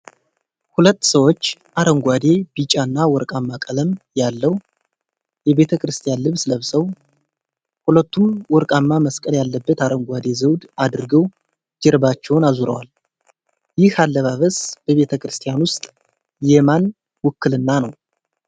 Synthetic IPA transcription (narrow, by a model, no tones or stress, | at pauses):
hulət̪ːsəwot͡ʃːʔaɾəŋɡʷwad̪e̞bit͡ʃʼanːawɔɾkʼamːakʼələmjalːəw | jɛβe̞t̪ʰəkʰɾɨst̪ʰʼijanlɨβsləβsəw | hulət̪ːumwɔɾkʼamːaməskʼəljalːəbːət̪aɾəŋɡʷad̪e̞zəwd̪ad̪ɨɾɨɡəw | d͡ʒɛɾbat͡ʃːɛwnazuɾə̰wal | jɪhalːəβaβəsb̥əβe̞t̪ʰəkʰɾɨst̪ʰijanwʊst̪ʼ | jɛman | wɔkːɨlɨnːanəw